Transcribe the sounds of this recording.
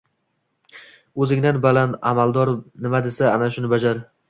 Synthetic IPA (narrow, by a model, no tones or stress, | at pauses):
ɵzɪŋd̪anbalana̰malˠd̪ɒɾnɪmad̪e̞saːnaʃʊnɪbad͡ʒaɾ